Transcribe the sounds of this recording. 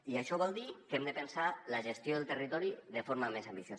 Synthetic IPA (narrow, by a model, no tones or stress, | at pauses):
iaʃɔβ̞ɔlˠd̪ikɛmd̪əpənsaləʒəst̪joðelˠt̪ərit̪ɔɾiðəfoɾmamezambiθjo